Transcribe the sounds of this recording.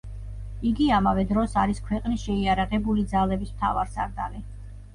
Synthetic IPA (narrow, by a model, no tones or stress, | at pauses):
iɡiamavɛd̪ɾɔsaɾiskʰwɛqʼnisʃɛiaɾaʁɛbulid̪zalɛbismt̪ʰa̰vaɾsa̰ɾd̪a̰li